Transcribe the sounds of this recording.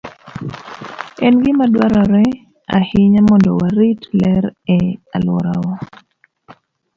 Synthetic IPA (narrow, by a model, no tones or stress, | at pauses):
ɛnɡɪmadwaɾɔɾɛ | a̰hɪɲamɔndɔ̰waɾitlɛɾɛa̰lwɔ̰ɾawɔ